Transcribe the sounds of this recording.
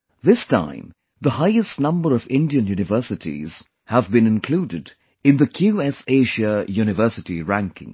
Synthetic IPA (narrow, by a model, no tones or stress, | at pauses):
ðɪstʰã̰ɪ̃m | ðəhaɪɨstnʌ̃mbə˞ʌvɪ̰̃ndiɨ̃njuːnɨvɜˑ˞sɨtʰḭz̥ | həvbɨ̃nɨ̃nkʰl̥uːdɨd | ɨ̃nðəkʰjuɛseɪʒəjunɨvɜ˞sɨtiɹæ̃ŋkʰɪ̰̃ŋ